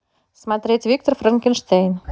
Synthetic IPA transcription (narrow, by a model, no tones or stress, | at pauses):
smɑt̪ɾetʲvʲik̚t̪orfrɑŋkʲenʃt̪ejn